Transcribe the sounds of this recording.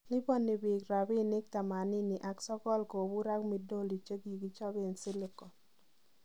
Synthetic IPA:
lɪ˦bɔ˦nːɪ˨bɪ˨kɾa˨bɪ˦nɪ˦k̚t̪a˨ma˨nɪ˦ni˨ʔa˨ksɔ˦kɔ˦lko˨bu˦ɾa˦kmi˨do˦li˨t͡ʃe˦ɡi˨ɡi˦t͡ʃɔ˦bɪ˦nsɪ˦lɪ˦kɔ˨

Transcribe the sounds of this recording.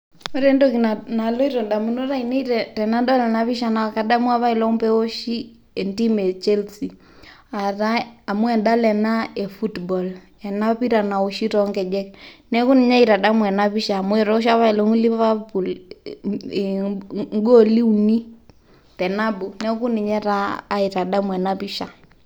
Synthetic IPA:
ɔ˦ɾɛndokinana˨lɔ˦i˦ɾɔ˨nda˨mu˨no˦ɾa˦inɛ˦i˦ɾɛtɛ˨na˦ndɔ˦lɛnaβi˦ʃana˨ka˨da˦mu˦a˦βa˦i˨lɔ˦mpɛo˦ʃi˦ | ɛnti˦mɛ˨t͡ʃɛ˦lsi˨ | a˨ɾaa˨mwɛ˨nda˦lɛ˨naɛ˨fu˦tbɔ˨l | ɛ˨na˦pi˦ɾa˨na˨u˨ʃi˦ɾɔŋɡɛ˨d͡ʒɛ˦knɛ˦ku˦ni˨ɲa˦i˨ɾa˨da˦mwɛ˨na˦βi˦ʃaː˨mwɛɾɔ˦ɔ˦ʃ̬a˦βa˦i˨lɔ˦ŋu˦li˦βa˦pu˨l | ŋ˦ɡɔ˦li˦u˨ni˦ | tɛ˨na˦bu˨nɛ˦ku˦ni˨ɲɛ˦ɾaː˦i˨ɾa˨ɗa˦mwɛ˨na˦βi˦ʃa˨

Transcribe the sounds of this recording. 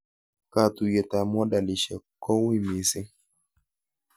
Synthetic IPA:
ka˨t̪u˨jɛ˨t̪a˨mɔ˦da˨lɪ˨ʃɛ˨kɔ˦wi˦mi˨sɪ˦

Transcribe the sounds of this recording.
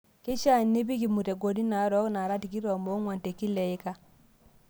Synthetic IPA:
ki˦ʃa˦˨nːi˦bi˦ki˨mu˨te˨ɡo˨di˦na˨ɾo˦kna˨ɾa˦ti˨ki˦ɾo˨mo˦ŋwa˨nte˨ki˦le˨ji˦ka˦

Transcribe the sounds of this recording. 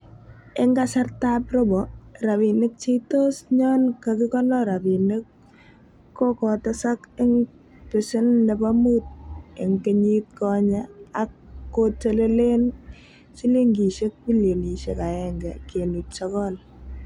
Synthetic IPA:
ɪ˦ŋɡa˦sa˦rtapro˦bɔra˨βi˨nɪ˦k̚t͡ʃi˦to˦sɲɔ˦nkaki˦kɔ˦nɔ˦ɾa˨bi˨nɪ˦kː | o˦kɔ˨tɔ˦sa˦kɪ˦ŋ | pɪ˨sɪ˦nːɛ˨pa˦mu˦t̚e˨ŋkeɲi˦t̚kɔ˦ɲa˦akːot͡ʃe˦le˦le˦n | si˦li˦ŋɡi˨ʃe˦k̚pi˦ljo˨ni˨ʃḛ˨ka˨ɛŋɡɛ˨ke˨nu˨tt͡ʃɔ˦kɔl

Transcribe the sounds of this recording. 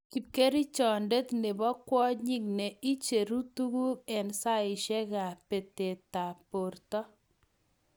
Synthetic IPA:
ki˨p̚ke˦ɾi˦t͡ʃɔ˨nde˦t̪ne˨bɔ˦kwɔ˦ɲi˦kne˨i˦t͡ʃe˨ɾu˦tu˦ɡu˦ɛ˨nsa˦ɪ˨ʃɛ˦ɡa˨pe˨te˨ta˨po˨rtɔ˦

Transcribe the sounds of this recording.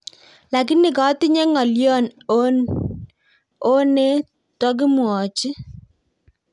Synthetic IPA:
la˨kɪ˦nɪ˨kɔ˨˦tɪ˦ɲɛ˦ŋɔ˨ljɔ˦no˦n | o˦ne˦ | tɔ˦k̬ɪ˦mwɔ˨t͡ʃɪ˦

